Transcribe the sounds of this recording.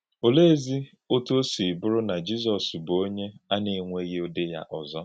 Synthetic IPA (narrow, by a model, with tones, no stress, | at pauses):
o˨le˦˨zi˦ | o˦to˦si˨bʊ˦ɾʊ˦na˨d͡ʒi˦s̬ɔ˨sbo˦ɲe˦a˦ne˨ŋʷe˦ɣe˦o˦dɪ˦ja̰˦ʔɔ˨zɔ˦